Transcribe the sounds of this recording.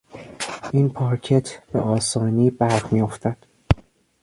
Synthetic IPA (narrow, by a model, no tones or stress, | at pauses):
ʔinpʰɒːɾcʰet̪ʰb̥ḛʔɒːsɒːniːbæɾhmijo̞ft̪æd̪̥